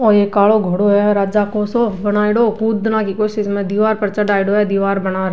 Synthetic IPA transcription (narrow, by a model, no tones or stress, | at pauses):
ɔːɾjekaːɭoɡʱoɽoɦɛɔɾaːd͡ʒakoːsobɐnaːɪɽoːkuːd̪nakikoːʃɪʃmẽd̪iːʋaːɾpɐɾt͡ʃəɖaːɪɽoɦɛd̪iːʋaːɾbɐnaːɾ